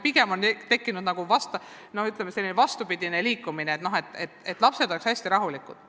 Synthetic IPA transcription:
piɡ̥emo̞nt̪ekːinud̪nɑɡ̥uvɑst̪ɑ | no̞hyt̪ˑlemeselːinevɑst̪upid̪̥ine̞liːkːˑumineeːt̪no̞ɦe̞t̪ːˑe̞t̪ːe̞t̪ːˑlɑpse̞d̪o̞lekshæsʲt̪iɾɑɦulikˑud̪̥

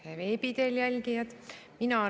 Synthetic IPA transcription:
eveːpid̪̥eljælʲɡijɑt̪minɑ

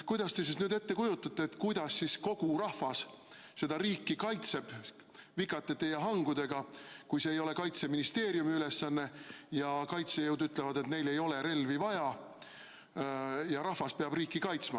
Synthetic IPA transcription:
kujd̪̥ɑst̪e̞sisnyːd̪e̞t̪ːe̞kujut̪ːˑɑt̪ːˑeːt̪kujd̪̥ɑsːisko̞ɡ̥urɑhvɑs | se̞d̪̥ɑɾiːkːˑikɑjt̪se̞b̥ | vikːˑɑt̪ːˑet̪ːe̞jɑɦɑŋɡud̪̥e̞ɡ̥ɑkujse̞ːjo̞le̞kɑjt̪se̞minist̪e̞ːɾjumiyle̞sːɑnːe̞jɑkɑjt̪se̞jɤwd̪yt̪ːˑle̞vɑd̪e̞t̪ne̞jle̞jo̞le̞ɾe̞lvivɑjɑ | jɑɾɑhvɑspeɑb̥riːkːikɑjt̪smɑ

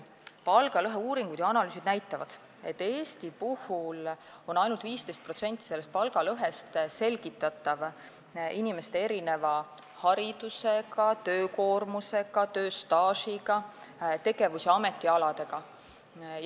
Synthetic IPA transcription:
pɑlɡ̥ɑlɤɦeuːɾiŋɡud̪̥jɑɑnɑlyːsid̪næjt̪ːˑɑvɑ̰d̪̥ | e̞̰t̪ːe̞ːst̪ipuhulo̞nɑjnult̪viːst̪e̞jst̪̚pro̞t̪se̞nʲt̪ˑːise̞lːe̞st̪̚pɑlɡ̥ɑlɤɦe̞st̪se̞lɡ̥it̪ːˑɑt̪ːˑɑv | inime̞st̪e̞e̞ɾine̞vɑ | hɑɾid̪̥use̞ɡɑt̪ø̞ːko̞ːrmuse̞ɡɑt̪ø̞ːst̪ɑːsiɡɑt̪e̞ɡe̞vuseɑme̞t̪ːˑiɑlɑd̪̥e̞ɡ̥ɑ

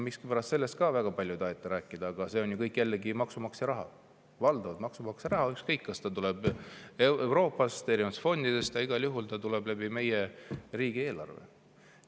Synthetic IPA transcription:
mikskipæɾɑst̪se̞lːe̞st̪̚kɑvæɡ̥ɑpɑlʲjut̪ɑɦet̪ˑːeɾæːkːˑid̪̥ɑːɡ̥ɑse̞o̞nʲjukɤjkːˑjælːeɡimɑksumɑkseɾɑɦɑ̰ | vɑld̪̥ɑvɑt̪mɑksumɑkseɾɑɦɑykskɤjkːɑst̪ɑt̪ulɛb̥eewɾo̞ːpːˑɑst̪eɾimɑt̪ːsfo̞nd̪id̪e̞st̪jɑiɡ̥ɑljuɦult̪ɑt̪ulɛblæb̥ime̞jeriːɡ̥ie̞ːlɑ̰rvḛ

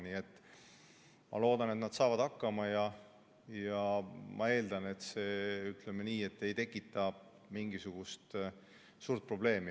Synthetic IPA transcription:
niːe̞t̪ːˑ | mʔɑ̰lo̞ːd̪ɑnet̪nɑd̪̥sɑːvɑd̪̥ɑkːɑmɑjɑ | jɑmʔɑ̰e̞ːld̪̥ɑne̞t̪se̞ːyt̪lemeniːe̞t̪ːe̞jt̪e̞kːˑit̪ːˑɑ | miŋɡisuɡ̥ust̪ | suːɾt̪̚pro̞ble̞ːmi

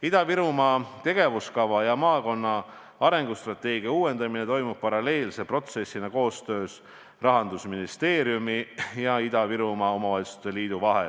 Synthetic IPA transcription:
id̪̥ɑviɾumɑt̪e̞ɡ̥e̞vuskɑvɑjɑmɑːko̞nːɑ | ɑɾe̞ŋɡ̥ust̪rɑt̪ːˑe̞ːɡ̥iɑuːwe̞nd̪ɑmine̞t̪o̞jmup̚pɑɾɑle̞ːlsepro̞t̪se̞sːinɑko̞ːst̪ø̞ːs | rɑɦɑnd̪̥usminist̪e̞ːɾjumijɑid̪̥ɑviɾumɑo̞mɑvɑsu̥t̪eliːd̪̥uvɑɦḛ

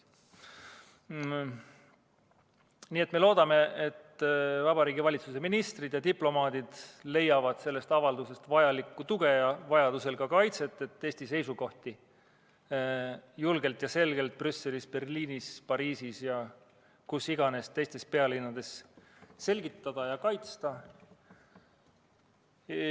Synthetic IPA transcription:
niːe̞t̪ˑme̞lo̞ːd̪̥ɑme̞et̪ːvɑbɑɾiːɡivɑlʲit̪suse̞minist̪rid̪̥jɑd̪iplo̞mɑːd̪̥id̪̥le̞jɑvɑd̪̥se̞lːe̞st̪ɑvɑld̪use̞st̪vɑjɑlikːˑut̪uɡ̥e̞jɑvɑjɑd̪̥use̞lɡɑkɑjt̪se̞t̪ːˑe̞t̪ːˑe̞ːst̪ise̞jsuko̞ht̪i | julɡ̥e̞lt̪jɑse̞lɡ̥e̞lt̪̚prysːe̞lispe̞rliːnispɑɾiːsisjɑ | kusiɡ̥ɑne̞st̪e̞jst̪e̞spe̞ɑlinːɑd̪̥e̞sse̞lʲɡit̪ːˑɑd̪̥ɑjɑkɑjt̪st̪ɑ

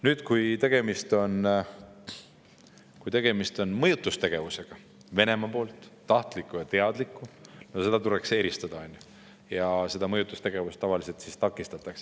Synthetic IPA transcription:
nyːd̪̥kujt̪e̞ɡ̥e̞mist̪o̞n | kujt̪e̞ɡ̥e̞mist̪o̞nmɤjut̪ːˑust̪eɡ̥e̞vuse̞ɡ̥ɑ | ve̞ne̞mɑpo̞ːlt̪ˑːɑht̪likːˑujɑt̪e̞ɑd̪̥likːˑunose̞d̪̥ɑt̪uɾekse̞ːɾist̪ɑd̪̥ɑonʲju | jɑse̞d̪̥ɑmɤjut̪ːˑust̪e̞ɡ̥e̞vust̪ɑvɑlise̞lt̪sist̪ɑkːˑist̪ɑt̪ːˑɑks

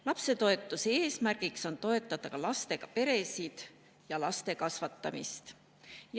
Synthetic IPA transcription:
lɑpse̞t̪o̞e̞t̪ːˑuseeːsmærɡ̥ikso̞nt̪o̞e̞t̪ˑːɑt̪ɑkɑlɑst̪e̞ɡ̥ɑpe̞ɾe̞sid̪̥ | jɑlɑst̪e̞kɑsvɑt̪ːɑ̰mist̪ | j

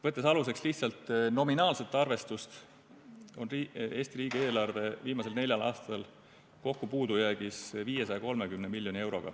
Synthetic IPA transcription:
vɤt̪ːˑesɑlus̬e̞ksliht̪sɑlt̪ˑno̞minɑːlse̞t̪ːˑɑrve̞st̪ust̪ | o̞nrie̞ːst̪iɾiːɡ̥ie̞ːlɑrve̞viːmɑse̞lne̞lʲjɑlɑ̰ːst̪ɑl | ko̞kːupuːd̪̥ujæɡ̥isviːje̞sɑjɑko̞lme̞kymnemilʲːjo̞nie̞wɾo̞̰ɡ̥ɑ̰

